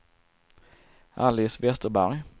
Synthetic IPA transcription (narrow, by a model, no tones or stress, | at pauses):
ʔa̰lɪsvɛst̪əɾbæɾj